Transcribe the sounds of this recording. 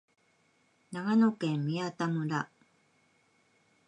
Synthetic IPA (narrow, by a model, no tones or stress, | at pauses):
naɡanokẽ̞mːʲiat̪amɯ̟ɾa